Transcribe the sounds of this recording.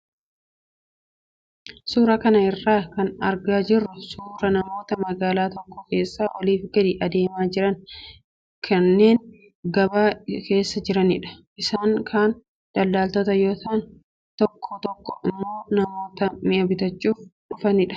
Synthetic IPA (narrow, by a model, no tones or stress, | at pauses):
suːɾɐkɐnɐɪrːaːkɐnɐɾɡaːd͡ʒɪrːʊsuːɾɐnɐmo̞ːt̪ɐmɐɡaːlaːt̪ɔkːɔke̞ːsːaːʔɔliːfɡɐd̪ɪʔɐd̪e̞ːmaːd͡ʒɪɾɐn | kʰɐnːe̞ːŋ | ɡɐbaːke̞ːsːɐd͡ʒɪɾɐnɪᶑɐ̥ʔɪsaːŋkʰaːn | d̪̥ɐlːaːlt̪ɔt̪ɐjoːt̪aːn | t̪ɔkʰːɔt̪ɔkːɔʔɪmːo̞ːnɐmo̞ːt̪ɐmɪʔɐbɪt̪ɐt͡ʃʼːuːfᶑʊfɐnɪᶑɐ̥